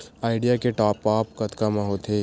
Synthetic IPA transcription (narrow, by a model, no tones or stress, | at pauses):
aːɪɖijakeʈɔːpːaːp̚kɐt̪kamãɦoːt̪ʰeː